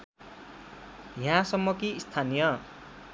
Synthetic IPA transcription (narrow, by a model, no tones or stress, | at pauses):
jãsʌmːʌkiːst̪ʰanijʌ